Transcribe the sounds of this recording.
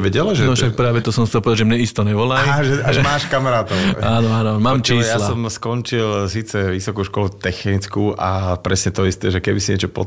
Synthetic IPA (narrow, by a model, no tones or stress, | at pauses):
ʋɛɟɛlʒɛnɔfʃʃak̚pɾaːʋɛt̪ɔsɔmxtt͡sɛlpɔd̪ad͡ʒʒɛmɲɛist̪ɔɲɛʋɔlaʒɛaʒɛmaːʃkamaɾaːt̪ɔaːnɔanɔmaːmt͡ʃiːsjalaɔmskɔnt͡ʃilsiːt͡sɛʋisɔkuːʃkɔlut̪ɛxnit͡skuːapɾɛsɲɛt̪ɔist̪ɛːʒɛkɛbisiɲɛt͡ʃɔpɔ̰